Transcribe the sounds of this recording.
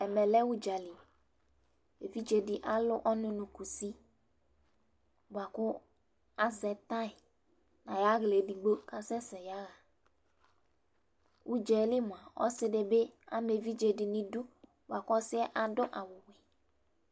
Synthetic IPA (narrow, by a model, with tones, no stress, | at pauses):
ɛ˨mɛ˨lɛ˦wu˦d͡ʒa˨li˨ | e˨vi˦d͡ʒe˨dɪ˨ʔa˦lʊ˦ʔɔ˦nʊ̃˦nʊ̃˨ku˨si˦ | ba˨kʊ˦ | a˦zɛ˨t̪ã˦ɪ˨ | nã˨ja˦ɣle˨di˨ɡ͡bo˦ka˨sɛ˦sɛ˨ja˦ɣa˨ | wu˦d͡ʒɛ˨˦lɪ˦mʊ̃˨a˨ɔ̰˦sɪ˦de˨be˦a̰˨me˨vi˦d͡ʒe˨dɪ˨nĩ˨du˦ | bo˨a˨kʊ˦ɔ˦sɪ˦ɛ˦ʔa˨dʊ˦ʔa˨wʊ˨wɛ˨